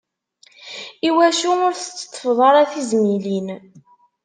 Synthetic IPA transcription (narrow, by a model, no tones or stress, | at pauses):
iwæʃuʊɾθət͡sːə̥t̪ˤːə̥fðˤɑɾˤæθizmilin